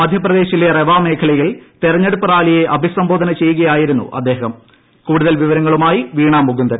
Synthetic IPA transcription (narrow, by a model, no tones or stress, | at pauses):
mɐd̪ʱjɐprɐðe̞ːɕilereʋaːme̞ːkʰɐɭɐjiɭt̪irɐɲːeɽupːɐraːlijeʔɐbʱisɐmboːd̪ʱɐnɐt͡ɕe̞jːuɣɐjaːjiɾunːṵʔɐd̪ːeːɦɐm | kuːɽuðɐlʋiʋɐɾɐŋːɐɭumaːjiʋiːɳaːmːuɡund̪ɐɾ